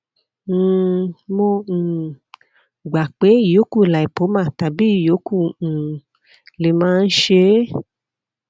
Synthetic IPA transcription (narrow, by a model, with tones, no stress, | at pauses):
mõ˧˨ | ɡ͡ba˨k͡pe˨˦i˦˨jo˨˦ku˦˨la˨i˨po˨˦mã˦˨ta˨bi˨˦i˨jo˨˦kũ˦˨ | le˨mãː˦˧n̩˦ʃe˧˦